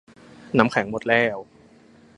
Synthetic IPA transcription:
naː˦˥mkʰɛ˩˦ŋmo˨˩t̪̚lɛː˥˩w

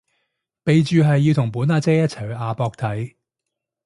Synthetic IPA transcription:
pe˨jt͡ʃyː˨ɦɐ˨jːiː˧wt̪ʰʊ˨˩ŋpuː˨˥naː˨˧t͡sɛː˥jɐ˥t̚t͡sʰɐ˨˩jʔaː˨˧pɔː˧k̚t̪ʰɐ˨˥j

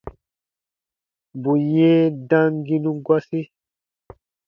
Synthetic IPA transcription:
bu˨jɛ̃˦dã˦ŋ˦ɡi˦nũ˦ɡwa˦si˦

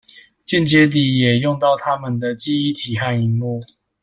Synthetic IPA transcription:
t͡ɕi˥˨nt͡ɕjɛ˦t̪̬i˨˩jɛ˨˩jɔ˥˧ŋt̪ɑ˥˨ʊt̪ʰa˦mə˨nd̪ə˨t͡ɕi˥i˦t̪ʰi˨˩xa˥˩ni˧˥nmu˥˩

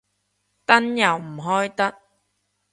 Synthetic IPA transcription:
t̪ɐ˥njɐ˨˩wm̩˨˩ɦɔː˥jt̪ɐ˥k̚

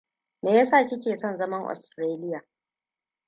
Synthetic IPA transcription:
meː˨ja˦saː˦˨kʲɪ˦kʲeː˨sɔ˦˨nzɐ˦mɐ˦ŋʔɔ̰˨stɾeː˦lɪ˦jaː˨

